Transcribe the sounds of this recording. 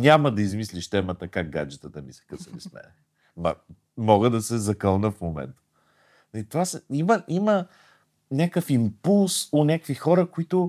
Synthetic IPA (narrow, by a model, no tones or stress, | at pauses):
nʲaməd̪ɐizmisliʃt̪ɛmət̪əkaɡ̚ɡad͡ʒɛt̪ət̪əmisɛ̥kəsəvismɛ̰nɛ | mɐ̰ | mɔɡəd̪ɐsɛzɐkəlˠnəfmomɛ̰nt̪ə̥ | nɐlit̪ovasɛiməʔimə | nʲakəfimpulˠsʊnʲakvixɔɾəkoit̪ʊ